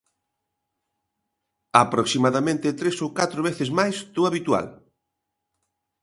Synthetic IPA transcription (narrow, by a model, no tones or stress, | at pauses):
apɾoksimaðamẽnt̪ɪt̪ɾesowkat̪ɾoβ̞eθezmajst̪uaβit̪wa̰l